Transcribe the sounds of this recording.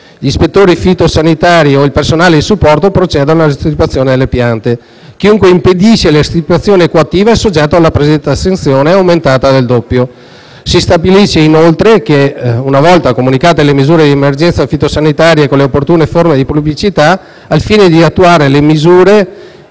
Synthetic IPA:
ʎispet̪ːoːɾifit̪osanit̪aːɾioilpersonaːled̪isupːɔrt̪opɾot͡ʃɛːd̪onolaest̪ɾit̪uat̪sːjoːned̪elːepjant̪e | k̟iuŋkweimped̪iʃelest̪ɾip̪uat̪sːjoːnekoat̪ːiːvaesːod͡ʒɛt̪ːoalːapɾesid̪ɛnt̪asːent̪sjoːneawment̪aːt̪ad̪eld̪opːjo | sist̪abiliʃeinolt̪ɾekeunavɔlt̪akomunikaːt̪elemizuːɾed̪iemerd͡ʒɛnt̪safit̪osanit̪aːɾjekoleopːort̪uːneformed̪ipublit͡ʃit̪aː | lfiːned̪iat̪ːuaːɾelemizuːɾe

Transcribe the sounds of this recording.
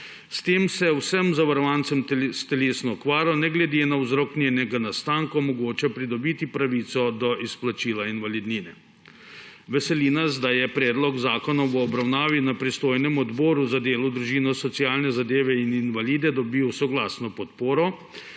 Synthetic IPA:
st̪eːmsɛwsɛmzaʋaɾɔʋant̪sɛmst̪ɛleːsnɔɔkʋaːɾanɛɡlɛd̪enawzɾɔknʲjenɛɡanast̪aːŋkɔmɔɡoːt͡ʃɛpɾid̪ɔbiːt̪ipɾaʋiːt̪sɔd̪ɔʔisplat͡ʃiːlainʋalid̪niːnɛ | ʋɛsɛlinaz̬d̪ajɛpɾɛːd̪lɔɡzaːkɔnɔʋəːbɾawnaːʋinapɾist̪oːjnɛmɔd̪bɔːɾuzad̪eːlud̪ɾuʒiːnɔsɔt̪sijaːlnɛzad̪eːʋɛininʋaliːd̪ɛd̪ɔbiwsɔɡlaːsnɔpɔt̪poːɾɔ

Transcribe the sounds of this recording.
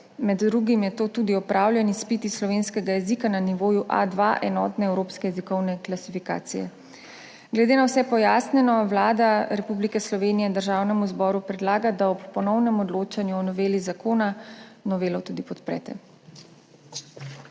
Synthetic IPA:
mɛd̪ːɾuɡimjɛt̪oːt̪uːd̪iɔpɾaːwlʲjɛnispit̪islɔʋeːnskɛɡajɛzikananiʋoːjuʔa̰d̪ʋa̰ʔɛnɔːt̪nɛɛwɾoːpskɛjɛzikɔwnɛklasifika̰ːt̪sijɛ̰ | ɡlɛd̪eːnawsɛpɔjaːsnɛnɔwlaːd̪aɾɛpublikɛslɔʋeːnijɛd̪əɾʒaːwnɛmuzbɔːɾupɾɛd̪laːɡad̪aɔppɔnɔwnɛmɔd̪loːt͡ʃanjuɔnɔʋeːlizakoːnanɔʋeːlɔt̪uːd̪ipɔt̪pɾɛ̰ːt̪ɛ̰

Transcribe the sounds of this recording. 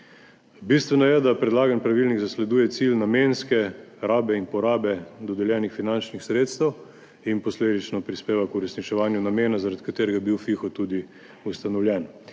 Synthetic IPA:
bist̪ʋɛnɔjɛd̪apɾɛd̪laːɡanpɾaʋilniɣzaslɛd̪uːjɛt̪silnamenskɛɾaːbɛinpɔɾaːbɛd̪ɔd̪ɛljɛːnixfinant͡ʃnixsɾeːt̪st̪ɛw | inpɔsleːd̪it͡ʃnɔpɾispeːʋakuɾɛsnit͡ʃɛʋaːnjunameːnazaɾad̪ikat̪eːɾɛɡabiwfixɔt̪ud̪i | ust̪anɔwljɛːn

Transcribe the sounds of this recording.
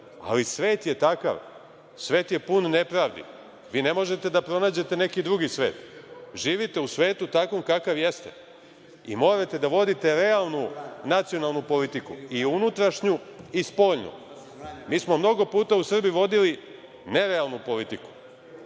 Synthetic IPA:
a̰lisʋe̞ːt̪jet̪aka̰ʋ | sʋe̞ːt̪je̞punne̞pɾaʋd̪ḭ | ʋiːne̞mo̞ʒe̞t̪e̞d̪apɾo̞naːd͡ʑe̞t̪e̞ne̞kid̪ɾuɡisʋe̞̰ːt̪ʒiːʋit̪eusʋe̞ːt̪ut̪akomkakaʋjest̪ḛ | ḭmo̞ːɾat̪e̞d̪aʋo̞d̪it̪e̞ɾe̞alˠnunat̪sio̞nalnupo̞lit̪ikuiunut̪ɾaʃɲuispo̞ːʎnṵ | miːsmo̞mno̞ɡo̞puːt̪ausr̩biʋo̞d̪ili | ne̞ɾealˠnupo̞lit̪iku̥

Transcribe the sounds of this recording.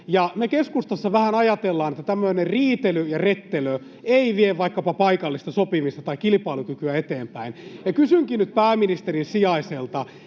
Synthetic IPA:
jɑnekeskust̪ɑsːɑʋæhænɑjɑt̪elːɑːnet̪ːæt̪æmːøinerriːt̪elyjɑret̪ːelø | eiʋieʋʋɑikːɑpɑpɑikɑlːist̪ɑsopimist̪ɑ̥t̪ɑikilipɑilukykyæet̪eːmpæinjɑkysyŋkinyt̪̚pæːminist̪eɾinsiɑiselt̪ɑ

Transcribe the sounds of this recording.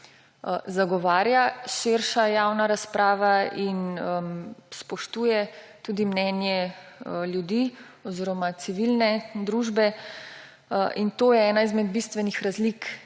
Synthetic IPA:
zaɡɔʋaːɾjaʃɪɾʃajaːwnaɾaspɾʔaːʋain | spɔʃt̪uːjɛ | t̪uːd̪imnɛnjɛ | ljud̪i | ɔziːɾɔmat̪siʋilnɛd̪ɾuːʒbɛ | ʔint̪oːjɛɛːnaizmɛd̪bist̪ʋɛnixɾazlik

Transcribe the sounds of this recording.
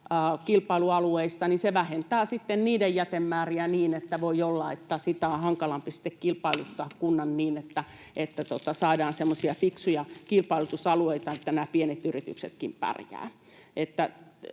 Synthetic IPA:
əːkilpɑiluɑlueist̪ɑninseʋæhent̪æːsit̪ːenniːdejjæt̪emːæːriæniːnet̪ːæʋoiolːɑet̪ːæsit̪æõhɑŋkɑlɑmpisi̥t̪ːekkilpɑilut̪ːɑːkkunːɑnniːnet̪ːæ | ʔet̪ːæt̪ot̪ɑsɑidɑːnsemːosiɑfiksujɑkilpɑilut̪usɑlueit̪ɑet̪ːænæːpienet̪yrit̪y̰kset̪kimpæ̰rjæ̰ː | ʔet̪ːæ

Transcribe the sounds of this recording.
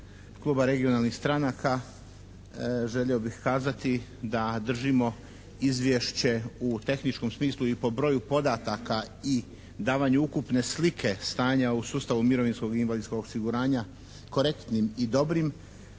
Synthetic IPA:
klˠuːbaɾe̞ɡio̞nalˠnixst̪ɾanakʰa | ʒeʎeobixkaːzat̪id̪ad̪r̩ʒimo̞ | izʋje̞ʃt͡ɕe̞ut̪e̞xnit͡ʃko̞msmiːslˠuipo̞bɾo̞jupo̞d̪at̪aka | i | d̪aːʋaɲuukupne̞slikʰe̞st̪aːɲausuːst̪aʋumiɾo̞ʋinsko̞ɡinʋalid̪skoɡosiɡuɾaːɲa | ko̞ɾe̞kt̪nimid̪o̞bɾim

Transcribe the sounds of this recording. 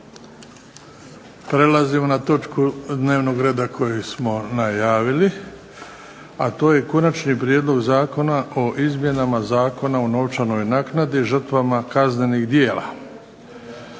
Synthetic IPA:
pɾe̞lazimo̞nat̪o̞t͡ʃkud̪ne̞ːʋno̞ɡɾe̞ːd̪akʰo̞jesmo̞najaːʋili | at̪o̞ːje̞ko̞nat͡ʃnipɾjed̪lˠo̞ɡzaːko̞naʔo̞ʔizmje̞namazaːko̞naono̞ʋt͡ʃano̞jnaːknad̪iʒr̩t̪ʋamakazne̞niɣd̪je̞ːla̰

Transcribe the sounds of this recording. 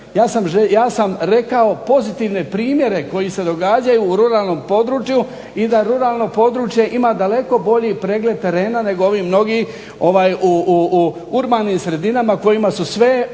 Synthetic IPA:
jaːsamʒejaːsamɾe̞kao̞po̞zit̪iːʋne̞pɾiːmje̞ɾe̞ko̞jise̞d̪o̞ɡad͡ʑajuːɾuɾaːlˠno̞mpo̞d̪ɾuːt͡ʃju | id̪aɾuɾaːlˠno̞po̞d̪ɾut͡ʃje̞ʔimad̪ale̞ko̞bo̞ʎipɾe̞ːɡle̞d̪̚t̪e̞ɾe̞ːnane̞ɡooʋiːmno̞ɡi | o̞ʋaːjuu | uɾbaːniːmsɾe̞d̪inamako̞jimasusʋe̞

